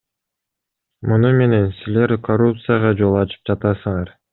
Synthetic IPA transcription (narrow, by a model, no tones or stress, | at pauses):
munume̞ne̞nsile̞ɾkʰorup̚t̪sɨjaʁɑd͡ʒo̞lˠɑt͡ʃɯ̥p̚d͡ʒɑt̪ɑsɯɴɑɾ